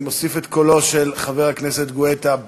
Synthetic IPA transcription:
mosifet̪ko̞lo̞ʃelχaveʁhakneset̪ɡoet̪a

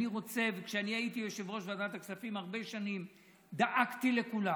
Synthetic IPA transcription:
niʁo̞t͡se̞vekʃeanihait̪ijoʃevʁo̞ʃveadat̪aksafimhaʁbe̞ʃanim | d̪aʔakt̪ile̞kula

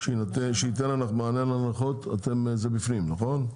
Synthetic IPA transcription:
ʃeinat̪eʃeit̪enanaχmaanenlanaχot̪at̪emzebifnimnaχo̞n

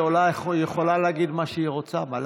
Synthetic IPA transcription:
olajeχo̞laleaɡid̪maʃeiʁot͡samal

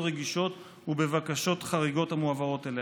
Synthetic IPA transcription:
ʁeɡiʃo̞t̪ | hube̞vakaʃo̞tχaʁiɡo̞thamuavao̞tele

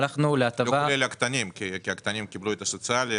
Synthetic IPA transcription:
laχnuleat̪avalelakt̪anʲimkʲikʲiakt̪anʲimkʲibluet̪asosɨalʲi

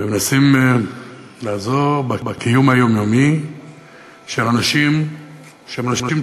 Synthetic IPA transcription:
emenasim | laːzoʁbabakijumajo̞mjomi | ʃelanaʃim | ʃemanaʃnaim

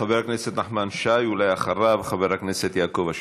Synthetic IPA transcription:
abeɾakneset̪naħmanʃajulajaxaɾabxabeɾakneset̪jaːkovaʃ

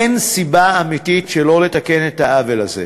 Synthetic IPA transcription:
ensibaamititʃelo̞le̞take̞nethaʔavela̰zḛ

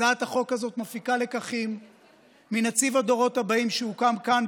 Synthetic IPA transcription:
aat̪haχo̞kazo̞tmafikale̞kaχimː | inat͡sivad̪o̞ʁo̞t̪habaimʃeukamkan

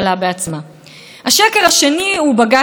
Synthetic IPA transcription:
labeat͡sma | haʃeke̞ʁaʃe̞niubaɡa

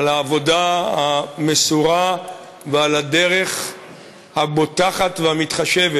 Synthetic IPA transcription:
alaːvo̞dahamesuʁa | vealade̞ʁe̞χ | habotaχatveamit̪χaʃeve

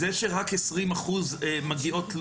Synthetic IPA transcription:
eʃeʁakesʁimaχuzemaɡio̞tl

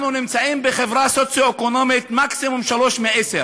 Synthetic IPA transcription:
nunimt͡saʔimbeχevʁasot͡sjoekonomit̪maksimumʃaloʃmeʔese

